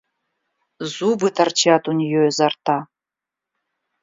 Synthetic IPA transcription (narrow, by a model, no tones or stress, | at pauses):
zubɨtʰart͡ʃʰatʰunʲijɔjzartʰa